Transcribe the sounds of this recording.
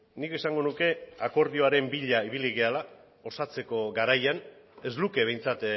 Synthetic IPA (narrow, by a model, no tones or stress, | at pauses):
nike̞saŋɡo̞nuke̞ako̞ɾðio̞aɾe̞mbiʎaiβiliɣ̞eala | o̞sat͡se̞ko̞ɡaɾajane̞zluke̞β̞e̞jnt͡sat̪